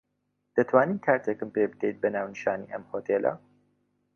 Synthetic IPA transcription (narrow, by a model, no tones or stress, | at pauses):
d̪̥ɐt̪ʰwaːniːmkʰaːɾt̪ʰekɨmpeːbɨd̪ejt̪̚bɐnaːwnɨʃaːniːʔɐmhoːt̪ʰeːlʔɐ̰